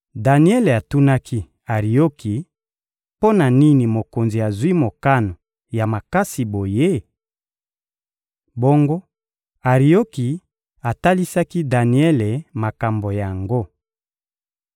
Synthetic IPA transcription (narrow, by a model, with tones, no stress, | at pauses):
da˨ni˦ɛ˦le˨a˨tu˦na˦ki˦ | a˨ʁi˨o˦kʰi˨ | po˦na˨ni˦ni˨mo˨ko˨nzi˨ja˨zwi˦mo˨ka˦no˨ | ja˨ma˨ka˦si˨bo˨je˦ | bo˦ŋɡo˦ | a˨ʁi˨o˦ki˨ | a˨ta˦li˦sa˦ki˦da˨ni˦ɛ˦le˨ma˨ka˨mbo˨ja˨ŋɡo˦